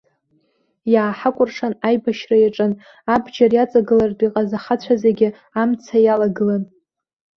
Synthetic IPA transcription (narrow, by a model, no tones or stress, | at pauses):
jaːħakʷʼʊrʂanajbaʃrajaʈ͡ʂʼɨn | abd͡ʒarjat͡sʼaɡɨlardʷʼiqʼazaχat͡ɕʷʰazaɡʲɪ | amt͡sʰajalaɡɨlan